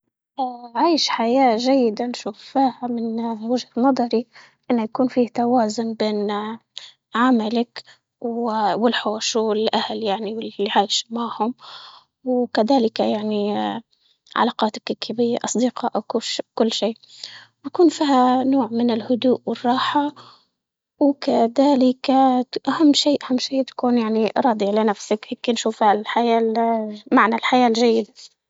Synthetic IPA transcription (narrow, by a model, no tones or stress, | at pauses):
ʔaʕaːjɪʃħajaːʒajːɪd̪anʃuːfːiːhamɪnwɪʒhat̪nɑd̪ˤɑɾi | ʔɪnːʊjakuːnfiːht̪awaːzʊnbeːn | ʕamalak | wwɪlħoːʃɪlʔahaljaʕniwɪlːiʕaːjɪʃmaʕhʊm | wkaðaːlɪkajaʕni | ʕa̰lɑːqɑːt̪ḁkɪkʰːabɪjːaʔɑsˤd̪iqɑːʔakʃkʊlːʃiː | akuːnfiːhanoːʕmɪnɪlhʊd̪uːʔwɪrˤːɑːħa | wkaðaːlɪkaʔahamːʃiːʔahamːʃeːt̪ḁkuːnjaʕniɾˤɑːd̪ˤiʕlɪnafsakheːkːinʃuːfhallħajaːmaʕnalħajaːlʒajːɪd̪a